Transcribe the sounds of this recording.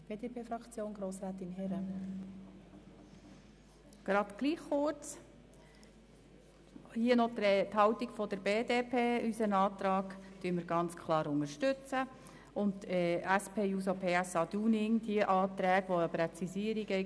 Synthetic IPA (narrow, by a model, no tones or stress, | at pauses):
b̥eːdepʰeːfɾɑkt͡sjoːnɡɾoːsɾæːt̪ɪnɦɛɾə | ɡ̥ɾɑd̥̪ɡ̥liːχːʊɾt͡s | hiənɔt̪t̪hɑwt̪iɡ̥fɔd̪̥əɾbeːd̪eːpʰeːysənɑːt̪ɾɑːɡt̪yːəməɾɡɑnt͡skʰlɑːɾʊŋəʃtʏt͡sə | ʊnttɛæspʰeːjuːs̬opʰeːæsɑːd̥̪uːnɪŋd̥̪iəʔɑːt̪ɾæːɡʋɔəpɾɛt͡sisiːəɾiɡɛ